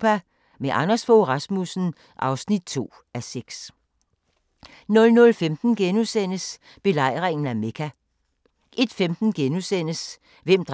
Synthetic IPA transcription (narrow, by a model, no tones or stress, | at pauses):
pæ | meʔɑnɐsfoʁɑ̈smusn̩ | ʔɑ̈ʊsnid̥̚t͡sʰo̝̰ː | æseɡ̥s | nɔ̽lnɔ̽lfemd̥n̩ɡ̥enusen̰əs | b̥e̝lɑ̈ɪ̰ʁeŋn̩æme̝kʰæ | ʔe̝d̥femd̥n̩ɡ̥enusen̰əs | ʋem̰d̥ʁ